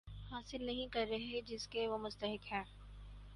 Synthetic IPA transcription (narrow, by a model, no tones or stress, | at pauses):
haːsɪlnɐɦĩkɐɾːɐɦed͡ʒɪskeʋomʊst̪əɦɪkɦɛ̃ː